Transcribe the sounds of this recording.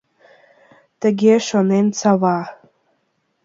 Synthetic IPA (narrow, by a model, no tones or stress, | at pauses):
t̪əɡʲeʃonent͡sɑvɑ